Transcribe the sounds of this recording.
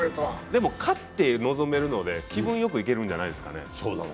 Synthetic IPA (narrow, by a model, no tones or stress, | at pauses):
t̪od̪e̞mo̞kʰat̪ːe̞no̞zo̞me̞ɾɯ̟no̞d̪e̞kʲibɯ̟̃ɰ̃jo̞k̬ɯ̟ik̬e̞ɾɯ̟̃ɲ̟d͡ʑanaid̪e̞sɨ̥ka̰ne̞̰soːna̰n